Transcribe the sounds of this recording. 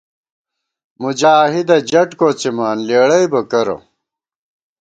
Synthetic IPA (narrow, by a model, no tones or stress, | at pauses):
mud͡ʑaːɦid̪ɐd͡ʑɐʈkoːt͡simaːnleːɽɐjbɐkɐɾo̰